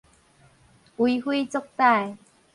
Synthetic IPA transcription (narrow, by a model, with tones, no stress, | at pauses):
ʔu˨˧˦jhi˦t͡so˥k̚t̪a˥˧˨j